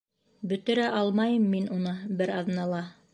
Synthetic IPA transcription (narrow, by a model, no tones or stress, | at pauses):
bɵ̆t̪ɘ̆ɾæʔɑlˠmɑjɤmːinunɤbɘɾɑðnɑlˠɑ